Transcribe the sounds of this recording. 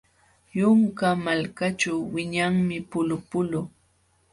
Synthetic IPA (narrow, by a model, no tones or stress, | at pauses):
jʊŋkamalkat͡ʃawwɪɲaŋmɪpʊlʊpʊlʊ